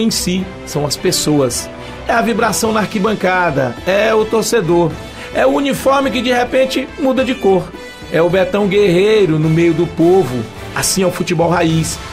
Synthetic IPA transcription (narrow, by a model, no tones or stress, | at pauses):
ẽj̃si | sɐ̃w̃ɐspesoɐs | ɛɐvibɾasɐ̃w̃naaɾkibɐ̃ŋkad̪ɐ̰ɛʊt̪oɾsed̪oɾ | ɛʊunifɔɾmɪk̬ɪd͡ʒihepẽnt͡ʃɪmud̪ɐd͡ʒɪkoɾ | ɛʊbeɾt̪ɐ̃w̃ɡeɦejɾʊnʊmejʊd̪ʊpovʊ | a̰sĩawfut͡ʃibɔwɦais